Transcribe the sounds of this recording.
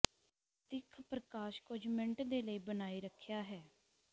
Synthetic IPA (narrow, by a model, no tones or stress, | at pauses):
t̪ɪkʰpɾəkaːʃkod͡ʒmɛ̃ɳʈd̪eːləiːbənaːiːɾəkʰːjaːɦɛː